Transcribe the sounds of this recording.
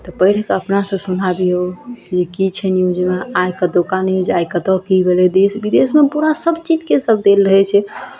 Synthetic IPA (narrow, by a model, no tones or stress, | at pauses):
t̪ɔpəɪɽ̤ɛkəpnasə̃sunabiokid͡ʒekit͡ʃʰɛnjud͡ʒmeajkəd̪okanɛod͡ʒajkət̪ɔkibelɛd̪esbid̪esmepuɾasəbt͡ʃid͡ʒkesəb̚d̪elɾəɦɛt͡ʃʰɛ